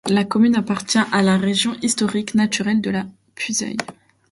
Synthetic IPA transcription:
lakɔmynapaʁt̪jɛ̃ʔalaʁeʒjɔ̃ʔist̪ɔʁiknat̪yʁɛld̪əla | pʰyzœ̰j

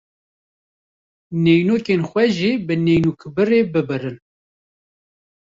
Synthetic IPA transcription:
nejnoːkenxʷɛʒibɨnɛjnukʰbɨreːbɨbɨrɨn

